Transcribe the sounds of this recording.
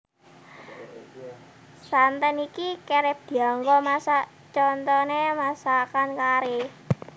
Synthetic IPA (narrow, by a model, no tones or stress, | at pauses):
sant̪ɛnikikeɾɛp̚d̪̥i̤aŋɡɔmasa | t͡ʃɔnt̪ɔnemasakankaɾe